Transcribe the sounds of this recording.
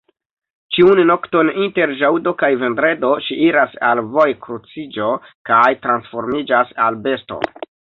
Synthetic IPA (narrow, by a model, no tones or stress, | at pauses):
t͡ʃiunno̞kto̞ninte̞ɾʒawdo̞kajve̞ndɾe̞do̞ʃiʔiɾasa̰lvo̞jkɾut͡sid͡ʒo̞kajtɾansfo̞ɾmid͡ʒasalbe̞sto̞̰